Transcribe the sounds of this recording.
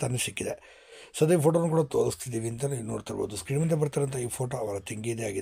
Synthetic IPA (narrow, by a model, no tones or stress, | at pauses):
t̪ɐnːesikʲːid̪e | sɐd̪ɐipʰoːʈoːnukuːɽɐt̪oːɾɐst̪ʰid̪iʋint̪ɐnɐinːṵːɽt̪ːɐɾbo̰ːt̪uskɾiːmɐnd̪ep̬ɐɾt̪ːɐɾɐnt̪ɐiːpʰoːʈoːɐʋɐɾɐt̪iŋɡijd̪eja̰ːɡi